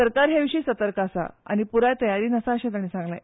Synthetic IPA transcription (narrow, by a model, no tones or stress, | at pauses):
səɾkaɾɦeʋiʂiːsət̪əɾkasa̰a̰ñipuɾajt̪əjaɾiːnəsaəɕãt̪anisãŋɡla̰